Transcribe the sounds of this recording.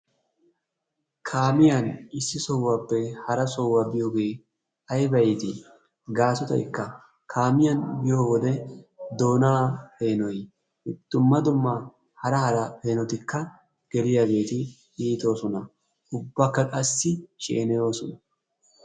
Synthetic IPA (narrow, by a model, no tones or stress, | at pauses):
kʰaːmɪjɐnɪsːɪsɔwːaːpːɛhɐɾɐsɔwːaːbɪjoːɡe̞ː | ɐjbɐjɪt̪ɪ | ɡaːsɔt̪ɐ̰jkːɐ | kʰaːmɪjɐnbɪjo̞ːwɔd̪ɛd̪o̞ːnaːhe̞ːnɔj | ɪd̪̥ːʊmːɐd̪ʊmːa | hɐɾɐhɐɾɐhe̞ːnɔt̪ɪkːɐ | ɡ̥ɛlɪjaɡe̞ːt̪ɪ | iːt̪o̞ːsɔnɐ | ʔʊbːakːɐkʼɐsːɪʃḛːnɛjo̞ːsɔnɐ